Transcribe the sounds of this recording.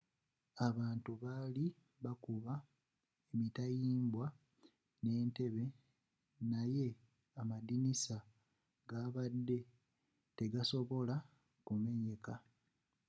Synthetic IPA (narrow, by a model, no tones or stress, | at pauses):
aβaːntuβaːli | βakuβa | emitajiːmbwa | ne̞ːnte̞βe̞ | naje̞ | amadinisa | ɡaːβadːe̞ | te̞ɡaso̞βo̞la | kume̞ɲe̞ka